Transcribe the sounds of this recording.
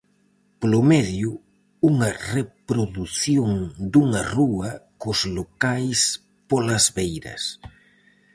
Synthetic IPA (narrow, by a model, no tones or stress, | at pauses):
plʊmɛðju | uŋɐrepɾoðuθjoŋd̪uŋɐruɐkʊzlokajs | polɐzβejɾɐ̰s